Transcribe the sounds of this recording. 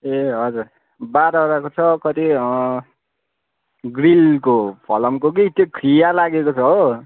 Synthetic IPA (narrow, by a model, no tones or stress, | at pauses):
eɦʌd͡zur | baɾʌɾakot͡sʰʌkʌt̪iʌ | ɡɾilkopʰʌ̰lʌmkokit̪jokʰɾijalaɡekot͡sʰʌɦo